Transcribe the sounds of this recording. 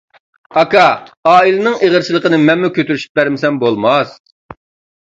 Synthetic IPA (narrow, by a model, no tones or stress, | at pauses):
ɑkɑɑːilɪnɨŋeʁəɾt͡ʃilˠəqənɨmɛnmukʲʰøt̪yɾyʃy̥p̚bæɾmɪsɛmbolˠmɑs